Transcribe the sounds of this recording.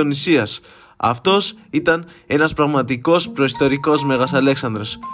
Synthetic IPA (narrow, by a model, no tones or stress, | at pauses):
onisiɐs | ɐ̰ft̪o̞sit̪ɐne̞nɐspɾɐɣmɐt̪iko̞spɾo̞ist̪o̞ɾiko̞zme̞ɣɐsɐle̞ksɐnd̪ɾo̞s